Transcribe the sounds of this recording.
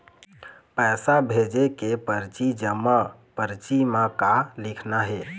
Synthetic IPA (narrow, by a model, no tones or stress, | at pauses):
pəjsabʱed͡ʒekepəɾt͡ʃid͡ʒəmːə | pəɾt͡ʃimakalikʰnaɦe